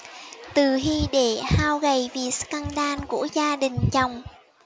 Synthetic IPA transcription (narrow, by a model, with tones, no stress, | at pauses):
t̪ɨ˨˩ɦi˧ɗe˧˩haː˧wɣə˨˩jvi˨˩ska˧nɗaː˧nkṵ˧˩əzaː˧ɗï˨˩ŋ̟t͡ɕə˨˩wŋ͡m